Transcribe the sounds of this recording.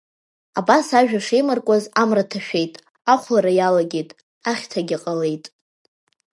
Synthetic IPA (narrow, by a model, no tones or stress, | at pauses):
abasaʒᶣaʂejmarkʷʼazamratʰaʃᶣe̞jtʼ | aχʷlaɾajalaɡʲejtʼ | aχʲtʰaɡʲɪqʼale̞jtʼ